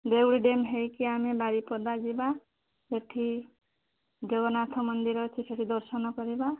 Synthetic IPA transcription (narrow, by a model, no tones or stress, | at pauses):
d̪ewɽiɖemɦejkiamebaɾipɔd̪ad͡ʒiba | eʈʰi | d͡ʒobɔnat̪ʰɔmɔnd̪iɾɔt͡ʃʰisʰeʈʰid̪ɔɾsɔnɔkɔɾiba